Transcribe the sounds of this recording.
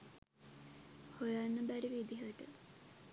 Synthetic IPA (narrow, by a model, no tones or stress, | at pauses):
hojanːəbæɾiʋid̪iɦəʈə